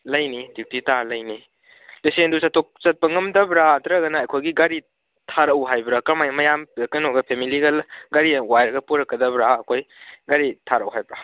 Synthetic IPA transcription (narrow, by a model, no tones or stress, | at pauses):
lɐjnidiwtitaɾlɐjni | lisendusɐtok̚sɐt̚pɐŋɐmdɐbɾatɾɐɡɐnɐːjkʰojɡiɡaɾi | tʰaɾɐwɦajbɾakɐɾmajmɐjamkɐnoɡɐpʰemiliɡɐɡaɾiwajɾɐɡɐpuɾɐkːɐdɐbɾaɐkʰojɡaɾitʰaɾɐwɦajbɾa